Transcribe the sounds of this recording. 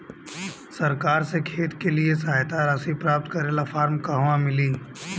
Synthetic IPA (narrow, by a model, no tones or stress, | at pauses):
sɐɾkaːɾsekʰeːt̪keliesaɦjt̪aɾɐsipɾaːp̚t̪kɐɾeːlafaːɾmkaɦʋãmɪliː